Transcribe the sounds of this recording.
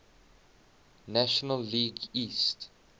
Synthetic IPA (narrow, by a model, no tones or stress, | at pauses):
næʃɔnəlːiːɡist